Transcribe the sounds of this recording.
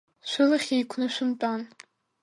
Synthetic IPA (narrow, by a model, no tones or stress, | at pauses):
ʃʷʊlaχʲejkʷʰnɨʃʷʊmpʼan